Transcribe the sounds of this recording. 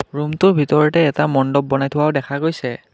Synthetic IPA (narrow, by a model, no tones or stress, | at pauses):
ɹumtʊɹbʱitɔɹɔtɛːtamɔndɔb̚ːɔnajtʰʊwaʊdɛkʰaɡojsɛ